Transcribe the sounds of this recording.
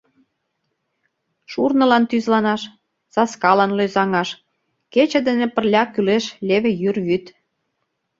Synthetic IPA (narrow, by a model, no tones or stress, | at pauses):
ʃurnɤ̆lɑnt̪yzlɑnɑʃ | z̥ɑskɑlɑnløzɑŋɑʃ | ket͡ɕĕd̪enĕpə̆rlʲɑkyleʃlʲeβĕjyrβyt̪